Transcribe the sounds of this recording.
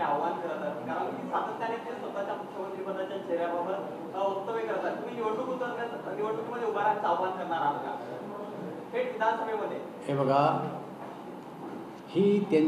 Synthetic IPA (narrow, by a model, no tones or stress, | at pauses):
aʋbʱankəɾət̪əkaɾənmiːsat̪ət̪nalet̪esʋəbt̪at͡ɕjamukʰjəmənt̪ɾipəd̪ʱːat͡ɕjat͡ɕeɾjabʱabʱəɾ | ək̚t̪əbekəɾt̪at̪umiːniʋəʈukut̪ənɡat̪niʋəʈukiməd̪ʱːjeubʱaɾant͡saʋbʱankəɾɳaɾabəɡa̰ | heʈʋid̪ʱansəbʱeməd̪ʱːje | ebʱəɡa | hiːt̪an